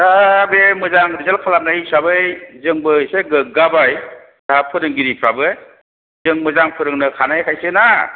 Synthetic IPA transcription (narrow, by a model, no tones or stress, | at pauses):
abemɯzaŋɾizalkʰalam̚najsabɯjzɯŋbɯseɡɯɡabaj | d̥aapʰɯɾɯŋɡiɾipʰɾabɯj | zɯŋmɯzaŋpʰɯɾɯŋnɯkʰanajkʰajsɯna